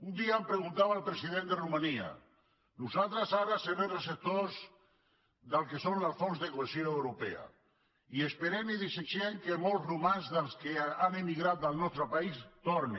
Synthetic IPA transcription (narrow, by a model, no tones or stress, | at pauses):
und̪iampɾeɣunt̪aβaːlˠpɾesiðend̪erumania̰ | nusalt̪ɾazaɾaseɾeresep̚t̪oz | ðalkesonlafonzðekoesjoewɾupḛa̰ | iespeɾemiðiset͡ʃeŋkemolˠzrumanzðəlˠskeanimiɣɾat̪̚d̪alˠnɔst̪ɾapaist̪oɾni